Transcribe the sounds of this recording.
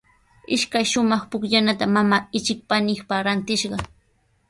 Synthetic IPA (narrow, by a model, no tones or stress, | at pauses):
ɪʃkajʃʊmɑχpʊkʎanat̪amamaːɪt͡ʃɪk̚panɪkpaɾant̪ɪʃɢɑ